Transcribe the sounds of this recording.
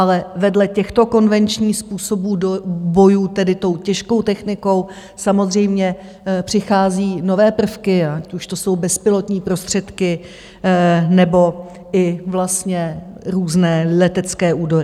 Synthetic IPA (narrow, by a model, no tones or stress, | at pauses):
ʔalɛvɛdlɛcɛxt̪o̞ko̞nvɛnt͡ʃɲiːxspuːso̞buːdobo̞juːt̪ɛdɪt̪o̞wcɛʃko̞wt̪ɛxnɪko̞w | samo̞zr̝ɛjmɲɛ | pr̝̥ɪxaːziːno̞vɛːpr̩fkɪaacuʃt̪o̞so̞wbɛspɪlo̞t̪ɲiːpɾo̞st̪r̝̥ɛt̪kɪ | nɛbo̞ | ɪvlast̪ɲɛɾuːznɛːlɛt̪ɛt͡skɛːʔuːdo̞ɾɪ